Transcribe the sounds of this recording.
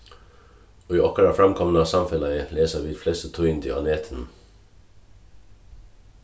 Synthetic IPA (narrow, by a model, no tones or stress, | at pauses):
oːiːʔɔkəɾəfɹɑmkʰɔmnəɑsɑmfɛlɑəleːsəʋiːd̪flɛst̪ət̪ʰuɪnd̪ʰḭːɑ̰neːt̪ʰən̩